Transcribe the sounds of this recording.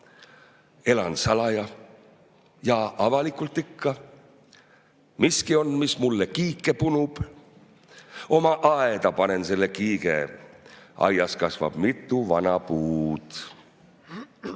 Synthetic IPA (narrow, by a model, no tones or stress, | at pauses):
e̞lɑnsɑlɑjɑ | jɑʔɑvɑlikult̪ˑikːɑ | miskio̞nmismulːekiːkːˑe̞punub̥ | o̞mɑʔɑed̪̥ɑpɑne̞nse̞lːe̞kiːɡ̥e̞̰ | ʔɑ̰jɑskɑsvɑ̰b̥mit̪ːˑuvɑnɑpuːd̪̥